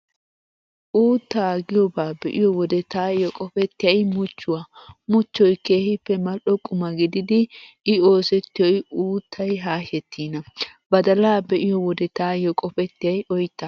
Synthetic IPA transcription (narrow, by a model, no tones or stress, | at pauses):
ʔuːt̪ːaːɡɪjɔbaːbɛʔɪjɔwɔd̪ɛt̪aːjɔkʼɔfɛt̪ːɪjɐjmʊt͡ʃːʊwamʊt͡ʃːɔjke̞ːhɪpːɛmɐlɔkʼʊmɐɡɪd̪ɪd̪ɪː | o̞ːsɛt̪ːɪjɔjuːt̪ʰːɐjɦaːhɛt̪ːiːnɐbɐd̪ɐlaːbɛʔɪjɔwɔd̪ɛt̪aːjɔkʼɔfɛt̪ːɪjɐjʔɔjt̪ːɐ